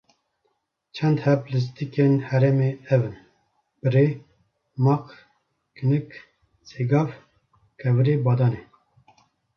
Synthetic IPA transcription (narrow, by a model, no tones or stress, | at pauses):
t͡ʃʰɛnd̪hɛplɨs̬t̪ikenhɛɾɛmeɛvɨn | b̥ɨɾe | mɑq | kɨnɨk | seɡɑːv | kʰɛvɨɾeːbɑːd̪ɑːne